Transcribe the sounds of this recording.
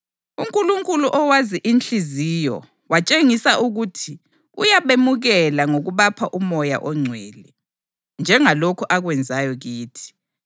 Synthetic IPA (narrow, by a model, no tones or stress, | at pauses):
uŋkʼuluŋkʼuluʔɔwaziʔint͡ɬizijɔ̰ | wat͡ʃʼeŋisaʔuɣutʰi | ṵjaβemuɣɛlaŋoɣuβapʰaʔumɔja̰ʔɔŋ͡ǀʱweːlɛ | nd͡ʒʱɛŋalokʰuʔaɣwɛnd͡zʱajɔɣiːtʰi̥